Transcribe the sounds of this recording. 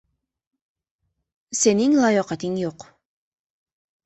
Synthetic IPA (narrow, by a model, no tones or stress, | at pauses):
seniŋlˠɑjɒqɑt̪iŋjoq